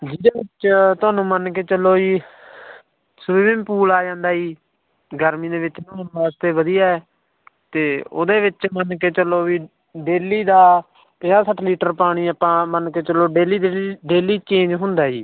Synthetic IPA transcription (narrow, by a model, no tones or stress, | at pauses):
d͡ʒid̪eːʋɪt͡ʃt̪ʊaːnũːmənkeːt͡ʃəlːoːiː | sʊːɪmpuːlaːd͡ʒãːnd̪aːiː | ɡəɾmĩːd̪eːʋɪt͡ʃnõːnʋaːst̪eːʋəd̪ijaːɛː | t̪eːo̰ːd̪eːʋɪt͡ʃmənkeːt͡ʃəlːoːʋiː | ɖeːliːd̪aː | pɪ̃aːsəʈʰliːʈəɾpaːɽ̃iːəpãːmənkeːt͡ʃəlːoːɖeːliːd̪ɖeːliːt͡ʃẽːnd͡ʒɦʊ̃nd̪aːɦiː